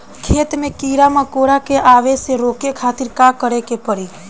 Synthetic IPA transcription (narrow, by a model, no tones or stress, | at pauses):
kʰeːt̪mẽkiːɾaməkoːɽakeʔaːʋeseɾoːkekʰaːt̪iɾkakəɾekepəɾi